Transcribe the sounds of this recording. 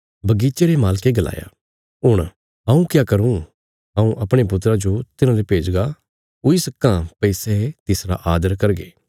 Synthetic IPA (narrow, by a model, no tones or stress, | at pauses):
bɐɡiːt͡ʃeɾemaːlkeɡɐla̰ːja̰ | ɦʊɽ̃ | ɦɐ̃ũkjaːkɐɾũ | ɦɐ̃ũʔɐpɽ̃ep̬ʊt̪̬ɾad͡ʒot̪ɪnãlepeːd͡ʒɡa | ʊisɐkːãpɐisɛt̪ɪsɾa̰ʔaːd̪əɾkɐɾɡḛː